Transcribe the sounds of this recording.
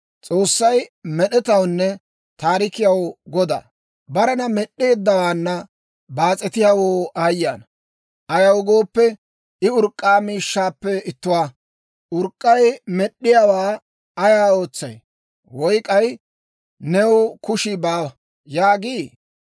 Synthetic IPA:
t͡sʼo̞ːsːɐjmɛɗɛt̪ɐwnːɛ | t̪aːɾɪkɪjɐwɡɔd̪a̰ː | bɐɾɐnɐmɛɗːe̞ːd̪ːɐwaːnːɐ | baːt͡sʼɛt̪ɪjawoːajːaːn | ʔɐjɐwɡo̞ːpːɛ | ɪʊɾkʼːaːmiːʃːaːpːɛɪt̪ːʊwaː | ʊɾkʼːɐjmɛɗːɪjawaː | ɐjaːo̞ːt͡sːɐ̰j | wɔjkʼɐj | nɛwkʊʃɪbaːwɐ | jaːɡiː

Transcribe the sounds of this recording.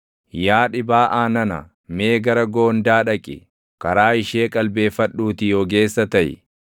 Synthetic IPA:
jaːᶑɪbaːʔaːnɐnɐ̰ | me̞ːɡɐɾɐɡo̞ːnd̪aːᶑɐkʼɪ̰ | kɐɾaːɪʃeːkʼɐlbe̞ːfɐᶑːuːt̪ɪjoɡe̞ːsːɐt̪ɐjɪ̰

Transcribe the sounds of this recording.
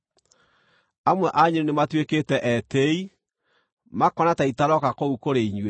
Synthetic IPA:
amwɛʔaɲeɾinematweketɛʔɛtei | makɔnataitaɾɔkakoukoɾeiɲwe

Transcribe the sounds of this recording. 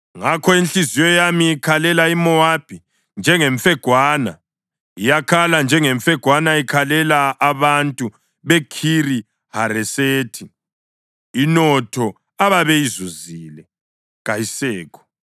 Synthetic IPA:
ŋakʰɔint͡ɬizijɔjamiːkʰalɛlaimɔab̥ʱi | nd͡ʒʱɛŋeɱfɛɡ̥ʱwaːna | ijakʰaland͡ʒʱɛŋeɱfɛɡ̥ʱwanaikʰalɛlaʔːβantʼu | βekʰiri | haɾɛseːtʰi | inɔtʰɔ | aβaβɛizuzilɛ | ɣajisɛːkʰɔ̥

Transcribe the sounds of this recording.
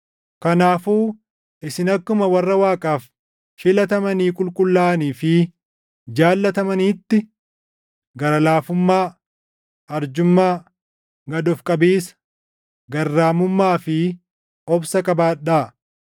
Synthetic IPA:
kɐnaːfuː | ʔɪsɪnɐkːʊmɐwɐrːɐwaːkʼaːf | ʃɪlɐt̪ɐmɐniːkʼʊlkʼʊlːaːniːfɪ | d͡ʒaːlːɐt̪ɐmɐniːt̪ːɪ | ɡɐɾɐlaːfʊmːaː | ɐɾd͡ʒʊmːaː | ɡɐd̪ɔfkʼɐbiːsɐ̥ | ɡɐrːaːmʊmːaːfɪ | ɔbsɐkʼɐbaːᶑːaː

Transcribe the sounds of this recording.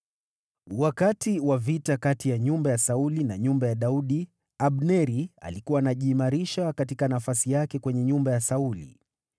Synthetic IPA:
wakatiwavitakatijaɲumbajasaulinaɲumbajaɗauɗi | aɓnɛɾia̰likuwaːnaʄiːmaɾiʃakatikanafasijakɛkwɛɲɛɲumbajasaulḭ

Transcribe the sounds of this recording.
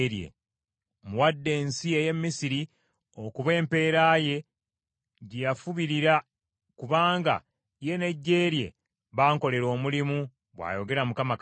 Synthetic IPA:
ɾje̞̰ | muwadːe̞ːnsie̞je̞mːisiɾi | o̞kuβe̞ːmpe̞ːɾaːje̞ | ɟijafuβiɾiɾa | kuβaːŋɡa̰ | je̞ne̞ɟːe̞ːɾje̞̰ | βaːŋko̞le̞ɾo̞ːmulimu | βwa̰jo̞ɡe̞ɾamukamak

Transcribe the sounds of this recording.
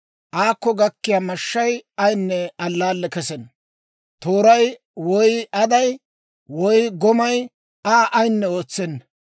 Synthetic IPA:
ʔaːkːɔɡɐkːɪjaːmɐʃːɐjɐjnːɛɐlːaːlːɛkɛsɛn | t̪oːɾɐj | wɔjɐd̪ɐj | wɔjɡɔmɐj | aːʔɐjnːɛoːt͡sːɛnːɐ

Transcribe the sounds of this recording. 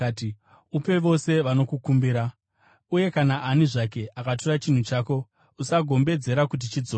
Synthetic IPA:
ti | upe̞ʋo̞se̞ʋano̞kukumbiɾa | uje̞kanaʔaniʐak̬e̞ʔakat̬orat͡ʃin̤ut͡ʃaːko̞ | usaɡʱo̞mbe̞d͡ze̞ɾakut̬it͡ʃid͡zo

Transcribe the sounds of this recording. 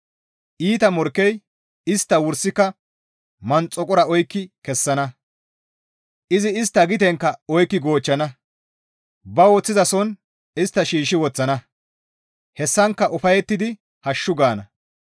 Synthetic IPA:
ʔiːt̪ɐmɔɾkːɛj | ɪst̪ːɐwʊɾsɪkːɐ | mɐnt͡sʼːɔkʼɔɾɐɔjkːɪkɛsːɐnɐ | ʔɪzɪɪs̬t̪ːɐɡɪt̪ɛŋkːɐɔjkːɪɡo̞ːt͡ʃːɐnɐ | bɐwɔt͡sːɪzɐsɔn | ɪst̪ːɐʃiːʃɪwɔt͡sːɐnɐ | hɛsːɐŋkːɐʔʊfɐjɛt̪ːɪd̪ɪ | hɐʃːʊɡaːnɐ

